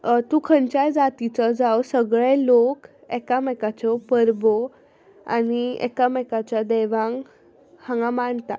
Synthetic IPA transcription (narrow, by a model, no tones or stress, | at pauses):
t̪ũːkʰəɳt͡ɕajd͡zat̪it͡sɔd͡zawsəɡɭelok | ɛkamɛkat͡sɔpəɾbɔ | a̰niɛ̰kamɛkat͡ɕjad̪ɛʋãŋɡ | hãŋɡãmaɳt̪a